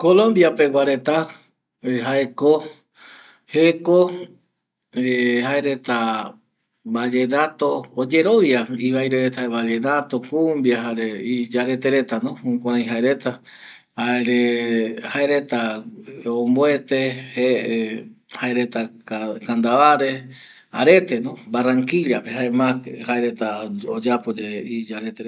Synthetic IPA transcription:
kolõ̞mbjape̞waɾe̞t̪a | ɦae̞ko | heko | ehaeɾe̞t̪a | bad͡ʒe̞nat̪o̞ːd͡ʒe̞ɾo̞ʋjaiβajɾeet̪aeβad͡ʒe̞nat̪o̞kumbjaɦaɾeid͡ʒaɾe̞t̪eɾe̞t̪anõhũkãɾ̃ãj̃ɦaeɾe̞t̪a | haeɾehaeɾe̞t̪a | omboe̞t̪e̞heʔehaeɾe̞t̪akand̪aβaɾe̞ | a̰ɾe̞t̪e̞nõbaraŋkiʎapeɦaemakhaeɾe̞t̪aod͡ʒapod͡ʒeid͡ʒaɾet̪e

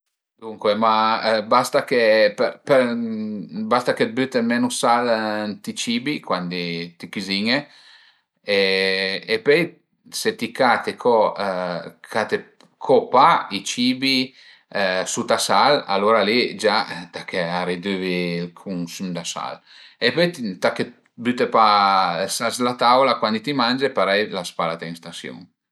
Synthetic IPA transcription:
d̪uŋkwemabast̪akepɛpɛɾ | bast̪aked̪̚byt̪emɛnusalnt̪it͡ʃiːbikwand̪it̪ikiziɲe | eː | pøj | set̪ikat̪ekʰɔ | kʰat̪e | kʰɔpait͡ʃibi | sut̪asala̰loːɾalid͡ʒat̪akʰːeaɾid̪øvilkʰuŋsymd̪asa̰l | epøjt̪t̪akːe | byt̪epasaslat̪awlakwand̪it̪imand͡ʒepaɾɛjlaspalat̪aiŋst̪asjṵŋ

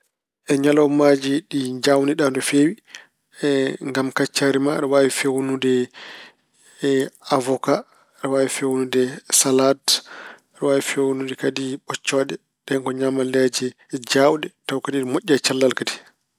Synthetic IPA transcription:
ʔɛɲalawmad͡ʒiɗid͡ʒawniɗandɔfewi | ŋɡamkat͡ʃːaɾimaɗɔwawifewunudɛ | avɔka | ɗɔwawifewunudɛsalat | ɗɔwawifewunudɛkadiɓɔt͡ʃːɔɗɛ | ɗɛŋkɔɲamaled͡ʒɛ | d͡ʒawɗɛtawkadiɗmoʔʲːat͡ʃalːalkadi̥

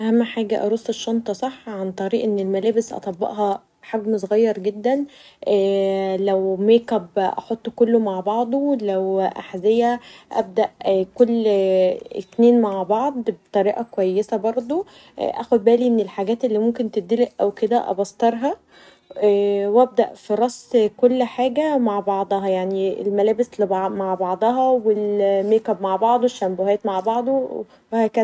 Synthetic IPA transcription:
ʔæhæmːħaːɡæʔɑɾˤosˤːeʃːɑnt̪ˤɑsˤɑħːʕant̪ˤɑɾiːʔenːelmælæːbesʔɑ̰t̪ˤɑbːɑ̰ʔɦɑ | ħaɡmsˤoɣɑjːɑɾˤɡed̪ːæn | ʔæːlæwmeːkæbʔɑ̰ħot̪ˤːkolːomaʕbɑʕd̪ˤolæwʔa̰ħzejæʔæ̰b̚d̪æʔkolː | et̪neːnmaʕbɑʕd̪ˤbet̪ˤɑɾiːʔɑkowæjːesæbɑɾˤd̪ˤo̰ | ʔæ̰xod̪̚bæːlimenelħaɡæːt̪ʔelːiːmomkent̪ed̪ileʔʔæwked̪æ̰ʔɑ̰bɑst̪ɑɾˤɦɑ | wæb̚d̪æ̰ʔfiɾˤɑsˤːkolːħaːɡæmaʕbɑʕd̪ˤɑɦɑjaʕniḛlmælæːbeslebmaʕbɑʕd̪ˤɑɦɑwelmæːkæbmaʕbɑʕd̪ˤoweʃːæmbohæːt̪maʕbɑʕd̪ˤo | wæhækæː

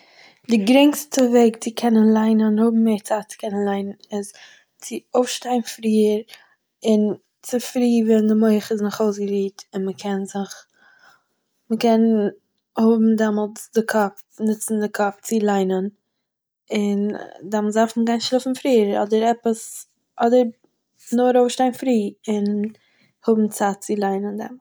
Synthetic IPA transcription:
dɪɡɾɪŋstəveɪkt͡sɪkʰɛnənlˠaɪnənhʊbm̩mːeːɾt͡saːt͡sɪ̥kʰɛnənlˠaɪnənɪs | t͡sɪoʊfʃtaɪnfɾiːəɾ | ɪn | t͡sɪfɾiːvɛndɪmoɪχɪsnʊχoʊsɡəɾiːtɪnməkʰɛnzɪχ | məkɛn | hʊbm̩dɛmɔlˠt͡sdɪkʰɔp | nɪt͡sn̩dɪkʰɔft͡sɪlˠaɪnən | ɪndamlˠsafməɡaɪnʃlˠɪfn̩fɾiːəɾɔ̰dəɾɛpəs | ʔɔdəɾ | nʊɾoʊfʃtaɪnfɾiːɪn | hʊbm̩t͡saːtt͡sɪlˠaɪnəndɛ̰ml

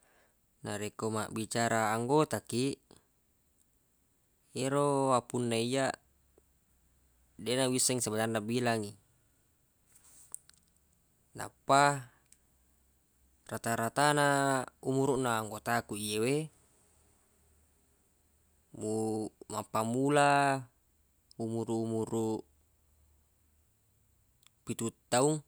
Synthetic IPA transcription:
naɾekoma̰ʔbit͡ʃaɾaːŋɡot̪akiʔ | eɾowapunːaijaʔ | denawisaŋsabad͡ʒanːabilaŋi | na̰pːa | rat̪aɾat̪anaumuɾuʔnaːŋɡot̪akuijewe | mumapːamula | umuɾuːmuɾu | pit̪ut̪ːauŋ

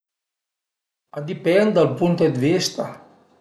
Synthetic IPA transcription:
ad̪ipɛnd̪d̪alpunt̪ed̪vist̪a

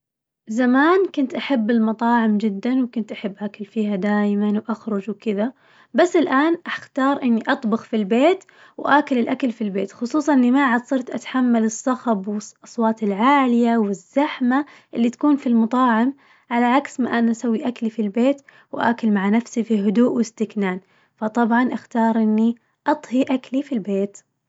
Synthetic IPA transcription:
zamaːnkʊnt̪ʔaħabːɪlmɑt̪ˤɑːʕɪmd͡ʒɪd̪ːanwkʊnt̪ʔaħɪbːʔakalfiːhad̪aːjmanwʔaxɾˤʊd͡ʒwkɪða | basːɪlʔaːnʔaxt̪ɑːɾˤʔɪnːiʔɑt̪ˤbɑxfilbeːt̪ | wʔaːkalɪlʔakalfilbeːt̪xʊsˤuːsˤɑnʔɪnːimaʕad̪sˤɨɾˤt̪ʔat̪ħamːalɨsˤːɑxɑbwɪʔɑsˤwɑːt̪ɪlʕaːlɪjawɪzːaħma | ʔɪlːit̪ḁkuːnfilmɑt̪ˤɑːʕɪm | ʕalaʕaksma̰ʔanaʔasawːiʔaklifilbeːt̪ | wʔa̰ːkʊlmaʕanafsifiɦʊd̪uːʔwɪst̪ɪknaːn | fɑt̪ˤɑbʕɑnʔaxt̪ɑːɾˤʔɪnːi | ʔɑt̪ˤhiʔaklifilbeːt̪

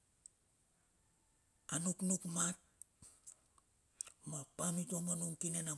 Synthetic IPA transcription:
anuknukmat̚ | mapamitomanuŋkinena

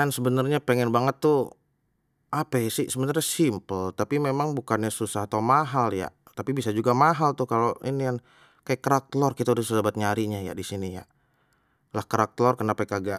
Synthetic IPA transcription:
ansəbənərɲapəŋɛnbaŋət̪ːu | apasisəbənarɲasimpəlt̪apimemaŋbukanɲasusaɦat̪aumaɦalja̰ | t̪apibisad͡ʒuɡamaɦalt̪ʊhkaloinijan | kajakːəɾak̚t̪lɔrkit̪audahsusabat̪̚ɲaɾiɲaja̰disinija̰ | lahkəɾak̚t̪lɔrkənapajkaɡaʔ

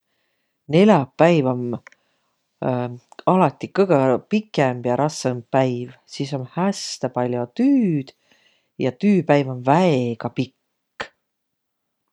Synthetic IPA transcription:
ne̞lʲjɑpːæjvom | ɑlɑt̪ːˑikɤjɡ̥ɑpikːˑemb̥jɑɾʔɑsːɑmbpːæjvsiːso̞nhæst̪ɑpɑlʲjot̪yːd̪̥ | jɑt̪yːpæjvɑmvæeɡ̥ɑpikˑː

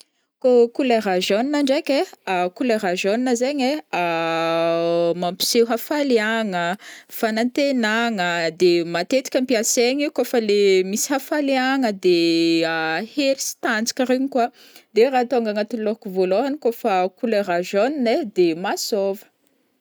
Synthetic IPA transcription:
kokuleɾaʒoninaɳɖ͡ʐakʲeakuleɾaʒoninəzeɲea | mampi̥sewɦafaliaŋəfanant̪enaŋəd̪emat̪et̪i̥kʲəmpiaseɲikofəlemisi̥hafalaŋəd̪eaheɾisi̥t̪and͡zi̥kʲiɾiɲikwa | d̪eɾat̪oŋɡaŋat̪ulokuvoloɦanikofəkuleraʒonined̪emasovə̥

